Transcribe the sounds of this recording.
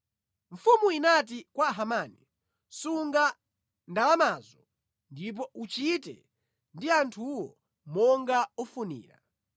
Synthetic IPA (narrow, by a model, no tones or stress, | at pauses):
ɱ̩fumuinatikwaɦamaːni | suŋɡa | ndalamaːzɔ | ndip̬ɔut͡ʃitɛ̰ | ndiantʰuwɔ | mɔŋɡaɔfunḭːɾa̰